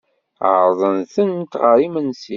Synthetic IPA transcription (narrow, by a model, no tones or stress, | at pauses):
əɾˤðˤənθənt̪ʁəɾimənsi